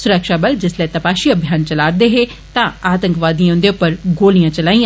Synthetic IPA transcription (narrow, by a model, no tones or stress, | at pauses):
sʊɾəkʃaːbəld͡ʒɪslɛːt̪əpaːʃiːəbʱjaːnt͡ʃəlaːɾd̪eːɦeː | t̪ãːaːt̪ə̃ŋkʋaːd̪ĩãʊ̃nd̪eʊpəɾɡoːlijãːt͡ʃəlaːĩ